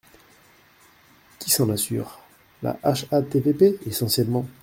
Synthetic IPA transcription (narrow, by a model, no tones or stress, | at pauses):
kʲisɑ̃nasy̰ːʁ | la̰ʔaʃat̪evepeesɑ̃sjɛlmɑ̃